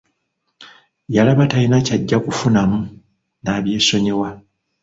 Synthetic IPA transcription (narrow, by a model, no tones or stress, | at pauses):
jalaβatajinacaɟːakufunamu | naːβje̞ːso̞ɲe̞wa